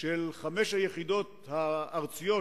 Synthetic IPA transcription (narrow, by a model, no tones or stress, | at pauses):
ʃelχame̞ʃhajeχid̪o̞t̪ | haːʁt͡sijo